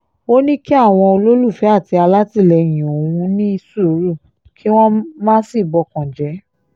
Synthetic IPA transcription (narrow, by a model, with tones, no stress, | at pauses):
o˦nĩ˦ki˦a˦˨w̃ɔ̃˧o˧lo˦lu˦˨fɛ˨˦a˦˨ti˧a˧la˦ti˦˨lɛ˧j̃ĩ˨o˨wũ˧˦nĩ˦i˧su˦˨˦ɾu˦˨ | kʰi˦w̃ɔ̃˦mãː˦si˦˨bɔ˧kɔ̃˨d͡ʒɛ˨˦